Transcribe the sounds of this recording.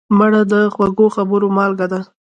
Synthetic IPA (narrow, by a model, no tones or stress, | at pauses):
maɽad̪əxwaɡoxabəɾomɑlɡad̪a